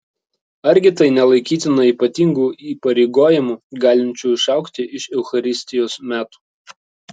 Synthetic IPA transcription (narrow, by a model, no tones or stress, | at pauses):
ɐɾʲɡʲɪt̪ɐɪnʲɛlˠɐɪkʲiːt̪ʲɪnɐiːˑpɐt̪ʲiŋɡuːiːpɐɾʲɛɪɡoːjɪmuːɡɑːlʲɪnʲt͡ʃʲuːɪʃɑˑʊkt̪ʲɪʔɪʃɛʊxɐɾʲɪsʲt̪ʲɪjoːsmʲæːt̪u̥ː